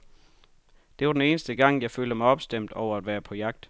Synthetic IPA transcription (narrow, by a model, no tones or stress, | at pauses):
d̥eʋɑ̈d̥ene̝ːnəsd̥əɡ̥ɑ̈ŋ̰jɑ̈ɪføːldəmɑ̈ɪɒ̽b̥sd̥em̰d̥ɒʊɐæd̥ʋæːɐpʰɒ̽jɑ̈ɡ̥̚d̥